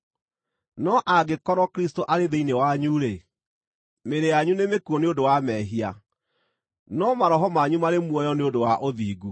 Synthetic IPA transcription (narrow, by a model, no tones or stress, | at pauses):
nɔʔaɡekɔɾɔkɾistoʔaɾeðeinewaɲuɾe | meɾejaɲunemekuɔneodowamɛɦia | nɔmaɾɔɦɔmaɲumaɾemwɔjɔneodowaʔoðiːɡu